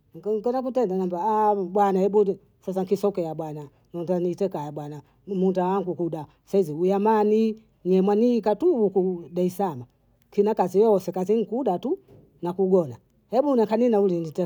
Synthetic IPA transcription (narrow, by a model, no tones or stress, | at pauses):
ŋkɔnak̬utɛndanambabwanahɛbu | fɾɛs̬aŋkisɔkɛaɓwana | nɔntanitɛkajabwana | mundawaŋɡukuda | saiziujamani | ɲɛmwanikatuukuɗaisama | kinakazijɔɔsɛkaziŋ̩kuɗatu | nakuɡɔna | hɛbunaŋkaninaulinitɛ